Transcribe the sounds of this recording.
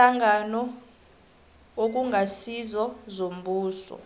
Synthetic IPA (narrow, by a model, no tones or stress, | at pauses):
aŋanɔ | ok̬uŋasizɔzom̩bʱuːsɔ̰